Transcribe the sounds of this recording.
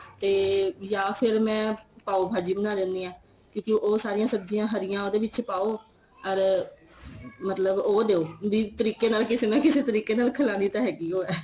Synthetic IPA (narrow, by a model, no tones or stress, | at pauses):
t̪eːjaːpʰɪɾmɛ̃ːpaːoːbʱaːd͡ʒiːbənaːd̪ɛ̃ːnd̪iːãː | kjõːkɪʔoːsaːɾɪjãːsəbd͡ʒɪjãːɦəɾɪjãːoːd̪eːʋɪtːt͡ʃʃpaːoː | əɾ | mət̪ləboːd̪eːoːbiːt̪əɾiːkeːnaːlkɪseːnaːkɪseːt̪əɾiːkeːnaːlkʰəlaːniːt̪ãːɦɛːɡiːoːɛː